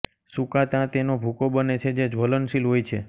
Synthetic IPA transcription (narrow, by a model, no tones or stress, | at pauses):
sũkat̪ãt̪enobʱukobənet͡ʃʰed͡ʒed͡ʒʱʋolənsilɦojt͡ʃʰe